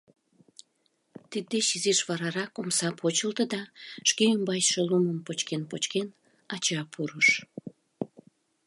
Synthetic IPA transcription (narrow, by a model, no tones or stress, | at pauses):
t̪id̪̚ːeʃiziʃβɑɾɑɾɑkomsɑpʰot͡ɕəlt̪əd̪ɑʃkeymbɑjʃeluməmpot͡ɕkenpot͡ɕken | ɑt͡ɕɑpʰuɾəʃ